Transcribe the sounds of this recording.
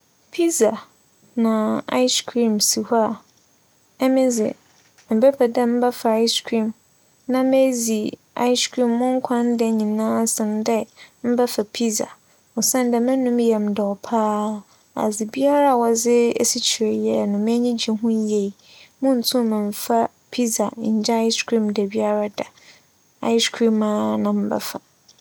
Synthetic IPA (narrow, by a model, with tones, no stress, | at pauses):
pʰi˦za˨ | nã˨a̰˦i˦skʰɾĩ˨msi˨ha˨ | ɛ˦mɪ̃˦d͡zɪ̰˨ | m̩˨pɛ˦pʰɛ˨dɛ˦m̩˦ba˦fa˨a˦skʰɾĩ˨m | nã˦me˦zi˨ | a̰˦i˦skʰɾĩ˨mːʊ̃˦ŋ̩˦kʷʰã˦n˦dɛ˨ɲĩ˨nãː˦sɪ̃˨n˦dɛ˦m̩˦ba˦fa˨pʰi˦za̰˨ | ɔ˨sɛ̃˦n˦dɛ˨mɪ̃˦nũ˦mjɛ˨mdɛ˨ɔ˨pʰaː˦ | a̰˨d͡zɪ˨bi˦a˦ɾa˦˨wɔ˨d͡zɪ˦e˦si˦t͡ɕʰi˨ɾɛ˨jɛ˦nʊ̃˨mɛ˦ɲĩ˦d͡ʑi˨ɦʊ̃˦je˨i˨ | mʊ̃˦n̩˨tʰũ˦˨mɪ̃˨ɱ̩˨fa˦ | pʰi˦za˨ɲ̩˨d͡ʑɛ˦a˦ɪ˦skʰɾĩ˦˨mdɛ˨bi˦a˦ɾa˦dɛ˨ | a̰˦ɪ˦skʰɾĩ˦mã˦nã˨m̩˦bɛ̰˦fa˨